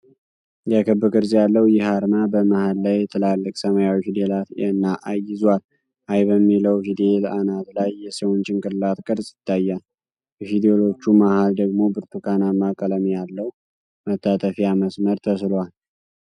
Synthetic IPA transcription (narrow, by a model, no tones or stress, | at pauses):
jakʰəbɨkʼɨɾzjalːəwjɪhaɾmabəmahalːajɛt̪ʰɨlalːɨkʼsəmajawhid̪elat̪ɛnːaʔajɪzwal | ʔajbəmːiləwhid̪elanat̪lajːɛsəwont͡ʃʼɪŋkʼɨllat̪kʼɨɾsʼjɪt̪ʰːajːal | bɛfid̪ejelo̞t͡ʃːumahald̪əɡmo̞bɨɾt̪ʰukʰanamakʼələmijalːəw | mət̪ʰːat̪ʰʼəfijaməsməɾt̪ʰəslwal